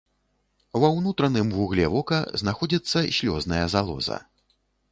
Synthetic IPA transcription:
wɐwnut̪ɾɐnɨmvuɣlʲɛvɔkɐznaxɔd͡zʲit̪sːɐɕʲlʲɔznɐjɐzalˠɔ̰zɐ̰

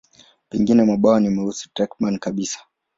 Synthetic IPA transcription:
pɛŋɡinɛmaɓawanimɛusu̥tɾɛkmankaɓisḁ

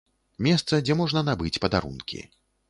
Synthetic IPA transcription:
mʲɛst̪sɐd͡zʲɛmɔʐnɐnabɨt͡sʲpɐd̪aɾṵnkʲḭ

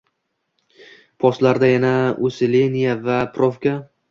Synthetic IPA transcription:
pʰɒslaɾd̪ajanaosɪle̞nijavapɾofkʲa

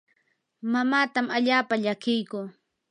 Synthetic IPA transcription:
mamaːt̪amaʎaːpaʎakɪjkʊː

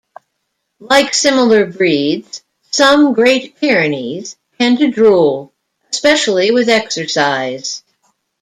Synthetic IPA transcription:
laɪksɪ̃ml̩ˠə˞bɹidz̥ | sʌ̃mɡɹeɪt̚pʰɪɹɨniz̥kʰɨ̃ntɨdɹulˠ | əspɛʃl̩ˠiwɨðɛksə˞saɪz̥

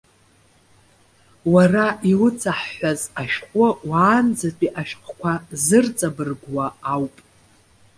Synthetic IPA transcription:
waraʔiwʊt͡sʰaħħːʷazaʃqʷʼʊwaːnd͡zapʼiʔaʃqʷʰkʷʰazɨrt͡sʼabɨrɡʷwaːwpʼ

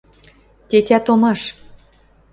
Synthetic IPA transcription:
t̪ʲet̪ʲæt̪omɑʃ

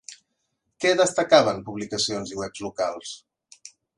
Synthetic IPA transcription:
kɛðəst̪əkaβəmpuβlikəsionziwɛpzlukalˠs

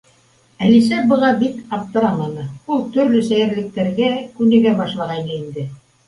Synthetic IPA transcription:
ælis̬æbɤ̆lˠɑbit̪ɑp̚t̪ɤ̆ɾɑmɑnɤulˠt̪ɵ̆ɾlɵsæjɘ̆ɾlɘ̆k̚t̪æɾɡækʉnɘ̆ɡæbɑʃlˠɑʁɑjnɤind̪ɘ

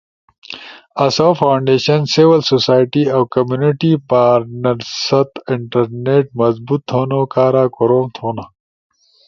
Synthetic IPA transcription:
ɐsaːfʰaːwɳɖeːɕɐnsiʋɐlsosaːjʈiɐwkɐmjuniʈipaːɾnɐɾsɐt̪ɪɳʈɐɾneːʈ̚mɐzbut̪ʰːoːnoːkaːɾaːkoɾoːmt̪ʰoːna

